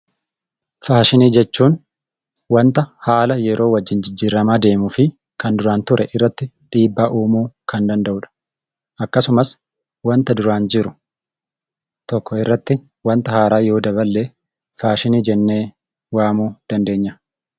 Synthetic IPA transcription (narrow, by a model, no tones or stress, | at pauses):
faːʃɪniːd͡ʒɛt͡ʃːuːn | wɐnt̪ɐhaːlɐjɛɾʔo̞ːwɐd͡ʒːɪnd͡ʒɪd͡ʒːiːɾːɐmaːd̪e̞ːmʊfɪ | kɐnd̪ʊɾaːnt̪ʊɾʔɛʔɪrːɐt̪ːɪ | ᶑiːbːaːʔuːmuːkɐnd̪ɐnd̪ɐʔʊᶑɐ̥ | ʔɐkːɐsʊmɐs | wɐnt̪ɐd̪ʊɾaːnd͡ʒɪɾʊ | t̪ɔkːɔɪrːɐt̪ːɪ | wɐnt̪ɐhaːɾaːjo̞ːd̪ɐβɐlːeː | faːʃɪniːd͡ʒɛnːe̞ː | waːmuːd̪̥ɐnd̪e̞ːɲːɐ